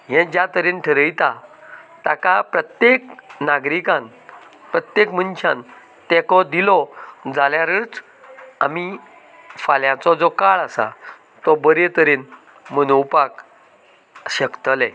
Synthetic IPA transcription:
ɦɛ̃d͡ʑjat̪əɾenʈʰəɾəjt̪at̪akapɾət̪jeknaɡɾikãn | pɾət̪jekmənɕãn | t̪ekɔd̪ilɔd͡zaljaɾət͡s | ami | faljãt͡sɔd͡zɔkaɭasa̰ | t̪ɔbəɾet̪əɾen | mənowpak | ɕəkt̪əlɛ̃

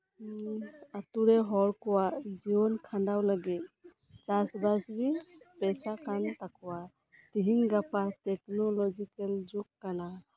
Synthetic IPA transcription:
atuɾɛɦɔɾkɔwad͡ʒiɔnkʰandawlaɡit̪̚ | t͡ʃasbasbiŋpɛsakant̪akʰuwa | tiɦiŋɡapatɛknɔlɔd͡ʒikɛld͡ʒukːana

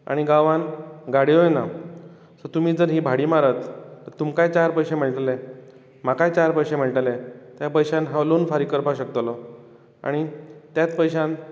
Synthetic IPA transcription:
a̰ɽ̃iɡaʋanɡaɽiojna | sɔt̪um̤iːd͡zəɾɦiːbʱaɽiːmaɾət̪t̪əɾt̪umkajt͡ɕaɾpəjɕem̤əɭʈale | makajt͡ɕaɾpəjɕẽm̤əɭʈalet̪japəjɕanɦãʋlonfaɾikəɾpaɕəkt̪lɔ | a̰ɽ̃it̪jat͡spəjɕan

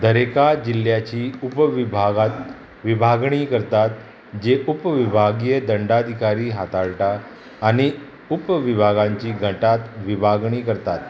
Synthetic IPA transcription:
d̪ʱəɾekad͡ʑiljat͡ɕiːupʋibʱaɡat̪ | ʋibʱaɡɳiːkəɾt̪at̪ | d͡ʑeʔupʋibʱaɡjəd̪əɳɖad̪ʱikaɾiːɦat̪aɭʈaː | ɽ̃i | upʋibʱaɡaɲt͡ɕiːɡʱəʈat̪ʋibʱaɡɳiːkəɾt̪at̪

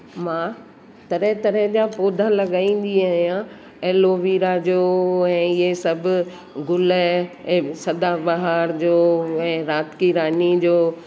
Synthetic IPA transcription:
mãː | t̪ɐɾət̪ɐɾəɦd͡ʑapoːd̪ʱalɐɠaːĩːn̆d̪iaɦijã | eːloːʋiːɾad͡ʑoːɛ̃ːɪɦesɐbʱʊ | ɡʊlə̃ | sɐd̪abɐɦaɾd͡ʑoːɛ̃ːɾaːt̪kiɾaːnid͡ʑoː

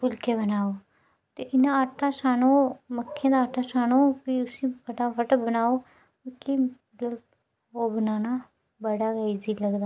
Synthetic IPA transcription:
pʊlkeːbənaːoː | t̪eʔɪnãːaʈʰaːsaːnoːməkʰːjãːd̪aːʈʰaːsaːnoːpiʊsĩːbəɽaːfəʈbənaːoː | ʊkʰiːmət̪ləb | oːbənaːnaː | bəɽaːɡəiziːləɡd̪aː

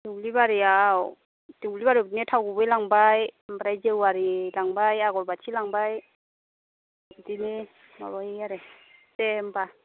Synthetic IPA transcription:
duklibaɾiaw | tuklibaɾidnetʰawɡubɯjlaŋbajmbaɾajzewaɾilaŋbajaɡɔɾbatʰilaŋbaj | dini | nɔ̰ɾɔheaɾesemba

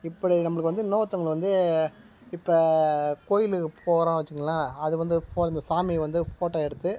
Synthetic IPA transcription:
ɪpːɐɽinɐmːɐɭɯkːʋɐnd̪ɯnoːɐt̪ːɐŋɡɐɭʋɐnd̪ɯ | ɪpːɐkoːjɪlɯɯpʰoːɾãːʋɐt͡ʃːɯŋɡɐlãːɐðɯʋɐnd̪ɯfoːɪnd̪ɐsaːmiʋɐnd̪ɯfoːʈːɐɛɽɯt̪ːɯ

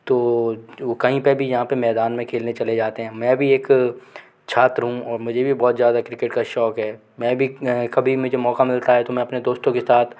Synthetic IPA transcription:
t̪oːokɐɦĩpebʱijɐɦãpemɛːd̪aːnmẽkʰeːlnet͡ʃɐled͡ʒaːt̪eɦɛ̃ːmɛ̃ːbʱieːk | t͡ʃʰaːt̪ɾɦũɔːɾmʊd͡ʒʱebʱibɔːt̪zjaːd̪akɾɪkeʈkaʃɔːkɦɛː | mɛ̃ːbʱikɐbʱimʊd͡ʒʱemɔːkamɪlt̪aɦɛt̪omɛ̃ɐpned̪oːst̪õkesaːt̪ʰ

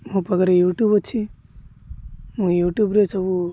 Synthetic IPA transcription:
ɦũpəɡɾejuːʈjuːbɔt͡ʃʰi | ɦũjuːʈjuːbɾesəbu

